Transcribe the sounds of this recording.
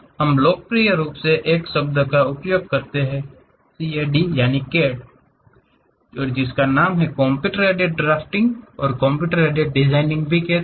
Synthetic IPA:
hɐmloːk̚pɾijəɾuːpseʔeːksɐb̚d̪kaʊpjoːɡ̚kɐɾt̪eɦɛ̃ | siːeːɖijaːnikeːɖ | ɔːɾd͡ʒɪskanaːmɦɛkɔ̃ːmpjuːʈəɾeːʈeɖ̚ɖɾaːfʈɪ̃ŋɡɔːɾkɔ̃ːmpjuːʈəɾeːɖeɖ̚ɖɪzaːɪnɪ̃ŋɡbʱikɛ

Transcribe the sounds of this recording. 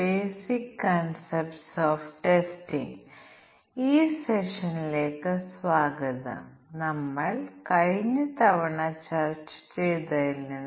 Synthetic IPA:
beːsikːɐnsepʈsoːfʈesʈiŋ | iːseʂɐnleːkɐsʋaːɡɐt̪ɐ̰ | nɐmːɐɭkɐjnɐt̪ɐʋɐɳat͡ʃaːɾt͡ʃt͡ʃejt̪ɐilnɐn

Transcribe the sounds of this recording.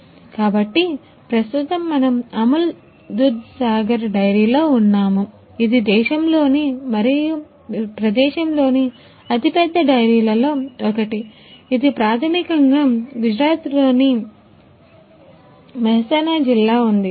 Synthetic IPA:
kaːbɐʈːi | pɾɐst̪ut̪ɐmːɐnɐmɐmɐl | d̪ud̪saːɡɐɾɖɐjɾiːloːunːaːmu | id̪id̪ɛːʃɐmlo̞ːnimɐɾiju | pɾɐd̪ɛːʃɐmlo̞ːni | ɐt̪ipɛd̪ːɐɖɐjɾiːlɐlo̞ːɔkɐʈiː | d̪ipɾaːt̪ʰɐmikɐŋɡaːɡud͡ʒɾaːt̪lo̞ːni | ʋɐɦɐsɐnad͡ʒilːaːund̪i

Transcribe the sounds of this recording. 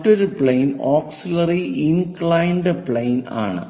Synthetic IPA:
ʈːoɾupɭejnoːksilɐriinkɭɐjɳɖɨpɭejna̰ːɳɨ̰

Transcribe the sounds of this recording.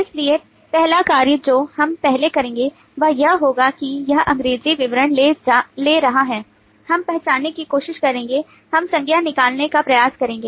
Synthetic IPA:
ɪslie | pɛɦlakaːɾjəd͡ʒoːhɐmpɛɦlekɐɾẽːŋɡe | ʋɐɦjɐɦɦoːɡakijɐɦʔɐ̃ŋɡɾeːziʋɪʋɾəɳ̃leleːɾɐɦaɦɛː | hɐmpɛɦt͡ʃaːnːekikoːʃɪʃkɐɾẽːŋɡe | hɐmsɐ̃ŋɡʱjanɪkaːlnekapɾɐjaːskɐɾẽːŋɡeː

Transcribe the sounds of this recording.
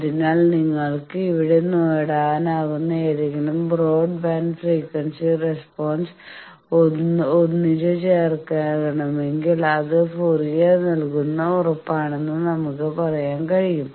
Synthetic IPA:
ɐðinaːɭniŋːɐɭkɨiʋiɽe̞noːjɽaːnaːɣunːɐeːðeŋɡilumbro̞ːɖbaːnɖfriːkːʋɐnsirespoːns | oonːiɾɨt͡ɕeːrkɐɣɐɳɐme̞ŋɡilɐðɨpurijenɐlkunːɐurɐpːaːɳe̞nːɨnɐmukːɨpɐrɐjaːnkɐɻijum

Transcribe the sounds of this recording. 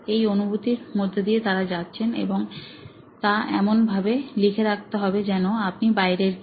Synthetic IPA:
ejonubʱut̪iɾmod̪ʱːed̪iet̪aɾad͡ʑatːɕʰenḛboŋ | t̪aʔɛ̰monbʱabelikʰeɾak̚t̪eɦɔbed͡ʑɛnoap̚nibajɾeɾ

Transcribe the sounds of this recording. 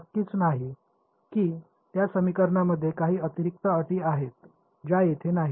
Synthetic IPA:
əkːiːt͡snaɦi | kiː | t̪jasəmikəɾɳaməd̪ʱːjekaɦiːət̪iɾik̚t̪əəʈ̪iːaɦet̪̚ | d͡ʑajet̪ʰenaɦi

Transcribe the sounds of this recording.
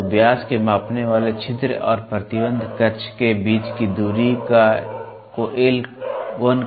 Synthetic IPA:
bjaːskemaːpneʋaːlet͡ʃʰɪt̪ɾəɔ̰ːɾpɾət̪ɪbə̃nd̪ʱkəɾt͡ʃʰkebiːt͡ʃkid̪uːɾika | koʔelʋən

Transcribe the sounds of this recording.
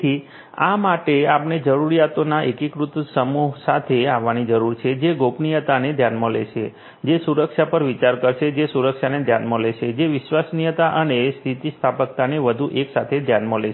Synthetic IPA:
i | a̰maʈeapned͡ʒəɾuɾijat̪onaʔekikɾut̪səmuɦsat̪ʰeaʋːanid͡ʒəɾuɾt͡ʃʰed͡ʒeɡopnijət̪aned̪ʱjanmolḛʃe | d͡ʒesuɾəkʃapəɾʋit͡ʃaɾkəɾʃed͡ʒesuɾəkʃaned̪ʱjanmoleʃʰed͡ʒeʋɪʃʋasnijət̪aʔənest̪ʰit̪ist̪ʰapək̚t̪aneʋəd̪ʱuʔeksat̪ʰed̪ʱjanmoleʃ

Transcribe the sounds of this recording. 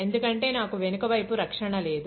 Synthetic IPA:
e̞nd̪ukɐɳʈe̞ːnaːkuʋe̞nukɐʋɐjpuɾɐkʂɐɳɐle̞ːd̪u

